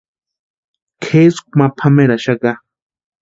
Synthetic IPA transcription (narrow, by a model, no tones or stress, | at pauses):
kʰesk̚ʷmapʰameɾaʃaka